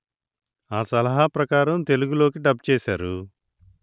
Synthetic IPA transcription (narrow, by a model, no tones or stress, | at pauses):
aːsɐlɐɦaːpɾɐkaːɾɐmt̪e̞luɡulo̞ːkiɖɐb̚t͡ʃɛːsaːɾu